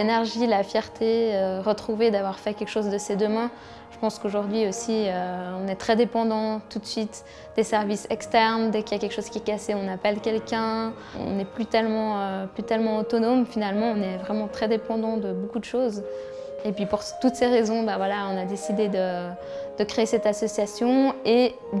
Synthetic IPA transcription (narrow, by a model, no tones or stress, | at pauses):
lenɛʁʒilafjɛʁt̪ʰeøʁət̪χuved̪avwaʁfɛkʲɛlkə̥ʃozd̪əsed̪əmɛ̃ | ʒ̥əpɑ̃skoʒuʁd̪ɥiosiøɔ̃nɛt̪χɛd̪epɑ̃d̪ɑ̃t̪ut̪sɥit̪ | d̪̥esɛʁvisɛkst̪ɛʁnd̪ɛkiljakʲɛlkə̥ʃoz̥kʲiɛkaseɔ̃napɛlkʲɛlkʲɛ̃ | ɔ̰̃nɛplyt̪ɛlmɑ̃øplyt̪ɛlmɑ̃ot̪ɔnomfinalmɑ̃ɔ̃nɛvʁɛmɑ̃t̪χɛd̪epɑ̃d̪ɑ̃d̪əbokud̪əʃoːzepɥipuʁt̪ut̪seʁezɔ̃bavwalaɔ̃nad̪esid̪ed̪ə | d̪̥əkχeesɛt̪asɔsjasjɔ̃e